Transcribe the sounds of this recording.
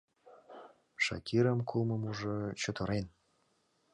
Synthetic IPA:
ʂɑ̰kʲʰiɾə̆mkʰulˠmɤ̆muʐɤ̆t͡ɕŏt̪ʰɤ̆ɾen

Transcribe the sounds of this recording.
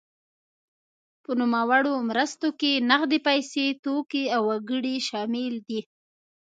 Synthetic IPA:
pənumawaɽomɾəst̪okenaɣd̪epajset̪okeawːaɡəɽiʃɑmɪld̪i

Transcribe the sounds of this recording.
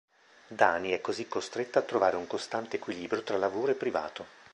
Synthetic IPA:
d̪aːniɛkːozikːost̪ɾet̪ːaːt̪ːɾovaːɾeuŋkost̪ant̪eːkwiliːbɾʲijot̪ɾalːavoːɾoepːɾiva̰ːt̪o

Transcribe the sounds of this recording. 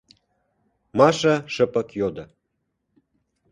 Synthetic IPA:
mɑʃɑʃə̆pə̆kjod̪ɤ̆

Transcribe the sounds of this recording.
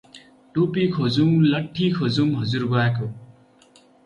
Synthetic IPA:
ʈupikʰod͡zumlʌʈʰːikʰod͡zumɦʌd͡zurɡoako

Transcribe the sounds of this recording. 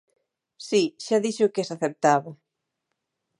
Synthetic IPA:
siʃaðiʃʊkɛsaθep̚t̪aβo

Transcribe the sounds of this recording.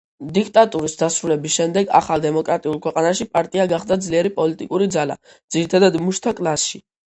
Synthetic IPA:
d̪ikʰt̪ʼat̪ʼuɾisd̪asɾulɛbisʃɛmd̪ɛɡa̰χalˠd̪ɛmɔkʼɾat̪ʼiulˠkʰwɛqʼanaʃipʼaɾt̪ʼiaɡaχd̪ad̪zliɛɾipʼɔlit̪ʼikʼuɾid̪zala̰ | d̪z̥iɾit̪ʰad̪ad̪muʃt̪ʰakʼlˠasʃi

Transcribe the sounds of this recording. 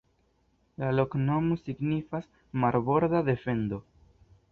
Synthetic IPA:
lalo̞kno̞mosiɡnifas | maɾbo̞ɾd̪ad̪e̞fe̞ndo̞

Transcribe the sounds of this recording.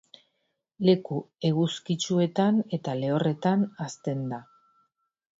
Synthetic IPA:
le̞kue̞ɣuskit͡ʃue̞t̪ane̞t̪ale̞o̞re̞t̪anast̪e̞nd̪a

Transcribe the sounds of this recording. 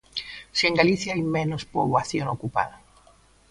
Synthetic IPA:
siẽŋɡaliθjaajmẽnospoβwaθjonokupa̰ða

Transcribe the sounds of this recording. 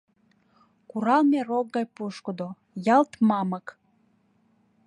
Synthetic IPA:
kuɾɑlmerokːɑjpuʃkəd̪o | jɑlt̪mɑmək

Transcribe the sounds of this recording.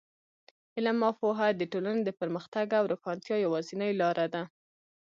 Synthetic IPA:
ɪlamːɑfoɦad̪əʈolaned̪əpəɾməxt̪aɡawɾokɑnt̪jɑjawɑzinəjlɑɾʔad̪a

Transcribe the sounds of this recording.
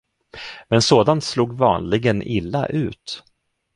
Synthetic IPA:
mɛnsoːd̪ant̪sluːɡvɑ̰ːnlɪɡənʔɪlːa̰ʔʉ̟ːt̪

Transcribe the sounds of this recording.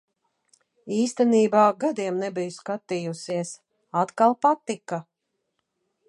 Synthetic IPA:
iːst̪ɛniːbaːɡad̪iɛmnɛbijuskat̪ijusiɛs | at̪kalˠpat̪ika

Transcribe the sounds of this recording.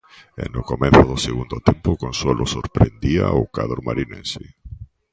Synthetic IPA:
ḛnokomẽn̟θoðoseɣund̪ot̪ẽmpokonswolʔosoɾpɾend̪iaokaðɾomaɾinẽnse

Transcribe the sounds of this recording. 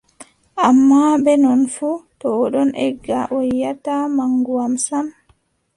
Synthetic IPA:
ʔamːabɛnɔnfutɔːɗɔnʔɛɡːaʔɔjːatamaŋɡuwamsam

